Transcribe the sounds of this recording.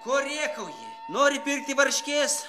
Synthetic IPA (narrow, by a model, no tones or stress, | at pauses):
koːɾʲeːkɐʊjḭ | noːɾʲɪpʲɪrk̚t̪ʲɪʋɐrʲʃʲkʲeːs